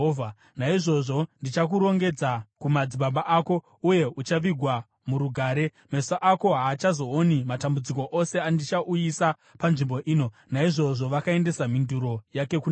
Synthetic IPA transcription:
a | naiʐo̞ʐondit͡ʃak̬uɾo̞ŋɡe̞d͡zakumad͡ziɓaɓaʔako̞ | uje̞ut͡ʃaʋiɡʱwa | muɾuɡʱaːɾe̞ | mesaʔako̞ɦaːt͡ʃazo̞onimatambud͡ziko̞ʔose̞andit͡ʃaʔujisa | panʐimbo̞ʔiːno̞ | naiʐo̞ʐo̞ʋakae̞nde̞saminduɾo̞jake̞kun

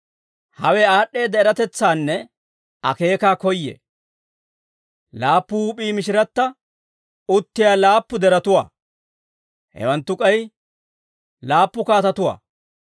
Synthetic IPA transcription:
hɐwɛaːɗe̞ːd̪ɛɪɾɐt̪ɛt͡sːaːnːɛ | ɐ̰ke̞ːkaːkɔjːḛ | laːpːʊhuːpʼiːmɪʃ̬ɪɾɐt̪ːɐ | ʊt̪ːɪjaːlaːpːʊd̪ɛɾɐt̪ʊwa̰ː | hɛ̰wɐnt̪ːʊkʼɐj | laːpːʊkaːt̪ɐt̪ʊwa̰ː

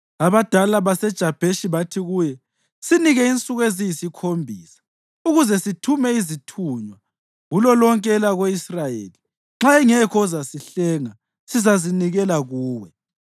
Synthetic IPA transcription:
aβad̥ʱalaβasɛd̥ʒ̥ʱab̥ʱeʃiβatʰiɣuːjɛ | siniɣɛint͡sʼuɣezijisikʰombʱiːsḁ | uɣuzɛsitʰumɛizitʰuɲwa | ɣulɔlɔŋkʼɛlaɣweisrajḛːli | ŋ͡ǁaɛŋɛkʰɔɔzasiɬɛːŋa | sizaziniɣɛlaɣuːwɛ

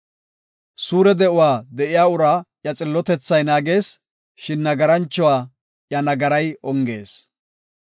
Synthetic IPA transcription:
suːɾɛd̪ɛʔʊwaːd̪ɛʔɪjaːʊɾaːjɐt͡sʼɪlːɔt̪ɛt͡sːɐjnaːɡe̞ːs | ʃɪnːɐɡɐɾɐnt͡ʃːɔwaː | jɐnɐɡɐɾɐjɔŋɡe̞̰ːs

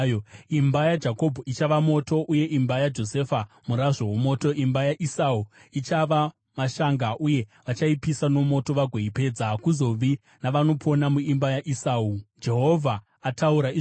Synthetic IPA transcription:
imbajad͡ʒako̞bʱoit͡ʃaʋamo̞to̞ʔuje̞ʔimbajad͡ʒo̞se̞fa | muɾaʐo̞womo̞ːto̞ʔimbajaʔisauit͡ʃaʋa | maʃaŋɡaʔuje̞ʋat͡ʃaipisano̞mo̞to̞ʋaɡʱweipe̞ːd͡zakuzo̞ʋi | naʋano̞pʰo̞namuimbajaʔisaud͡ʒe̞ɦovʱa | atʰauɾai

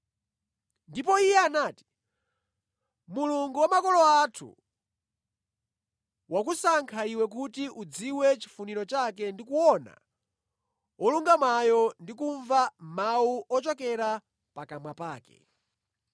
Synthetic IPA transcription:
ndipɔijɛanaːti̥ | muluŋɡuwamakɔlɔatʰṵ | wakusaŋkʰaiwɛk̬utiʔud͡ziwɛt͡ʃi̥funiɾɔt͡ʃak̬ɛndikuɔna̰ | ɔluŋɡamwajɔndikuɱvamauʔɔt͡ʃɔkɛɾa | pakamwapaːkɛ̰

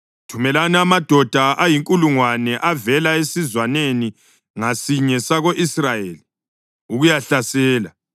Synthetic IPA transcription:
tʰumɛlanɛamad̥ʱɔd̥ʱaʔajiŋkʼuluŋwanɛʔavɛlaesizwaneni | ŋasiɲɛsaɣoʔisrajeːli | uɣujaɬasɛːla

